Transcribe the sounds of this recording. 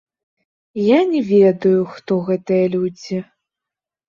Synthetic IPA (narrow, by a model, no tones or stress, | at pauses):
janʲɛvʲed̪ɐjuxt̪ɔɣɛt̪ɨjɐlʲud͡zʲi